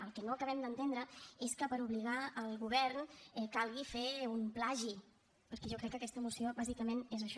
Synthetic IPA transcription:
əlˠkɛnoəkəβɛmd̪ənt̪end̪ɾəeskəpəɾuβliɣ̞aəlˠɣuβɛɾnɛkalˠɣifeumplaʒi | pəɾkɛʒɔkɾɛkːəkɛst̪əmusioβazikəmenezəʃ

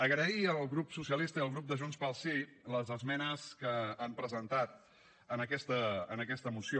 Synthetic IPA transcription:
əɣɾəiəlˠɣɾupsusiəlist̪əiəlˠɣɾup̚d̪əʒunspalˠsiləzəzmɛnəskəampɾəzənt̪at̪̚ | ənəkɛst̪ə̰ːnəkɛst̪əmusio

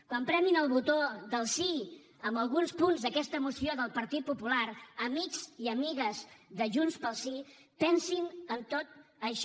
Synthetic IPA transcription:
kwampɾɛninəlˠβut̪oðəlˠsi | əmbəlˠɣ̞unspunzðəkɛst̪əmusioðəlˠpəɾt̪it̪̚pupulaɾəmikziəmiɣəzðəʒunspəlˠsi | pɛnsinənt̪ot̪̚əʃ

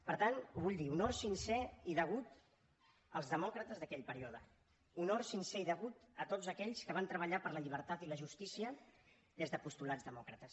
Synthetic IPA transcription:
pəɾt̪anuβuʎd̪iunɔɾsinsɛiðəɣ̞ut̪ | əlˠzðəmɔkɾət̪əzðəkɛʎpəɾiɔðə̰ | unɔɾsinsɛiðəɣut̪ət̪ozəkɛʎskəβant̪ɾəβ̞əʎapəɾləʎiβ̞əɾt̪at̪iləʒust̪isiə | ðezðəpust̪ulad͡zðəmɔkɾət̪əs

